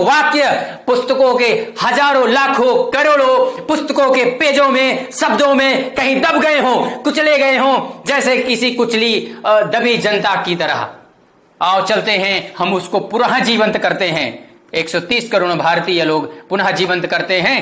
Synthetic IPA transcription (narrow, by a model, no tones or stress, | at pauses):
ʋaːkjəpʊst̪əkõkehɐzaːɾõlaːkʰõkɐɾoːɽopʊst̪əkõkepeːd͡ʒõmẽsɐbd̪õmẽkɐɦĩd̪ɐbɡɐeɦõːkʊt͡ʃleɡɐeɦõːd͡ʒɛːsekɪsikʊt͡ʃlid̪ɐbid͡ʒɐnt̪akit̪ɐɾə̰ɦ | aːɾt͡ʃɐlt̪eɦɛ̃hɐmʊskopʊɾɦad͡ʒiːʋə̃nt̪kɐɾt̪eɦɛ̰̃ː | eːksɔt̪iːskəɾoːɽ̃bʱaːɾt̪iːjəloːɡpʊnɦad͡ʒiːʋə̃nt̪kɐɾt̪eɦɛ̃ː